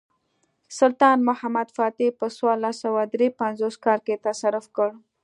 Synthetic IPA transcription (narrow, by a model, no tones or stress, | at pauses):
sʊlt̪ɑnmʊhamad̪fɑt̪ipəswalasawad̪ɾepanzoskɑɾket̪asaɾʊfkəɽ